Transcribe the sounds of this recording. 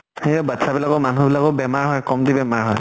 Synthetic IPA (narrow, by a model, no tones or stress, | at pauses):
hebatsabilakɔmanubilakɔʊbɛmaɹɦɔjkɔmtibɛmaɹɦɔ̰j